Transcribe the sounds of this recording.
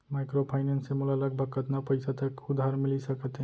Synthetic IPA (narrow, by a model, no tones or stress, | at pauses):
majkɾopʰajnensemulaləɡ̚bʱəkət̪napəjsat̪əkud̪ʱaɾmilisəkət̪ɦẽ